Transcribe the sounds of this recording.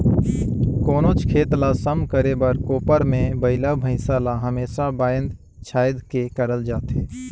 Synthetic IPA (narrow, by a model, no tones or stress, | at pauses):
koːnot͡ʃkʰeːt̪lasəmkəɾebəɾkoːpəɾmẽbəɪlabʱəɪsalaɦəmeːsabaːjə̃nd̪ | t͡ʃʰaːjd̪kekəɾəld͡ʒaːt̪eː